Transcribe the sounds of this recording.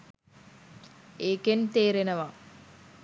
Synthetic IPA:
eːkent̪eːɾenəʋa

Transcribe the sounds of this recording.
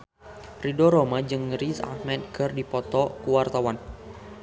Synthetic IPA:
ridɔɾɔmad͡ʒɨŋrisa̰hmɛt̪̚kɨrdipɔt̪ɔkuwart̪awan

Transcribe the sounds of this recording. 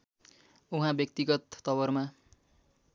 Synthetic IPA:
uɦãbjʌk̚t̪iɡʌt̪ːʌbʌrma

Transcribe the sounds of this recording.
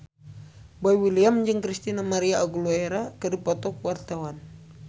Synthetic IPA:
boiwiliamd͡ʒɨŋkɾist̪inamaɾiaːɡulueɾakɨdipɔt̪ɔkwart̪awan

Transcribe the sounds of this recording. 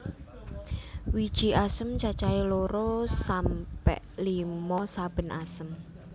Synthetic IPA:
wid̥ʒ̥i̤asəmt͡ʃat͡ʃailoɾosampɛ̰ʔlimɔsab̥ə̤nasəm

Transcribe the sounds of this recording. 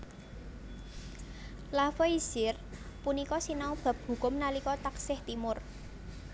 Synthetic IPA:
lafeiz̥ɪr | punikɔsinaub̥a̤p̚hṳkʊmnalikɔt̪aksɪht̪imʊr

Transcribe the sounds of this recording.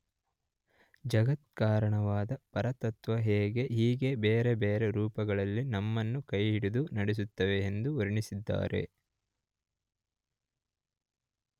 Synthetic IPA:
d͡ʒɐɡɐt̪̚kaːɾɐɳɐʋaːd̪ɐpɐɾɐt̪ɐt̪ʋɐɦɛːɡe̞ɦiːɡe̞beːɾe̞beːɾeɾuːpɐɡɐɭɐlːinɐmːɐnːukɐjɦiɽid̪unɐɽes̬ut̪ːɐʋe̞ːnd̪uuɾiɳisid̪ːa̰ːɾe̞̰

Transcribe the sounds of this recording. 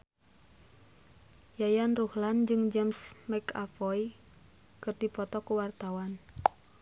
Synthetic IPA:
jajanruhland͡ʒɨŋd͡ʒɛmsmaka̰fɔj | kɨrdipɔt̪ɔkuwart̪awan

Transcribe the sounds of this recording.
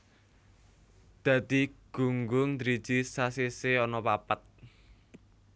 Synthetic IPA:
d̪̥a̤d̪̥i̤ɡ̥ṳŋɡʊŋd̪ɾid̥ʒ̥isasiseɔnɔpapət̪̚

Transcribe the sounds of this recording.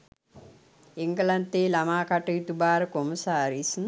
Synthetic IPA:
eŋɡəlant̪eːlamaːkaʈəjit̪ubaːɾəkoməsaːɾisn

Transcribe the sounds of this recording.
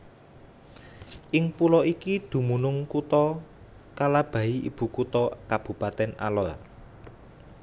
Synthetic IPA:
ʔɪŋpulɔʔikid̪̥ṳmunʊŋkut̪ɔ | kalab̥ä̤iʔḭb̥ṳkut̪ɔkab̥ṳpat̪ɛna̰lɔr

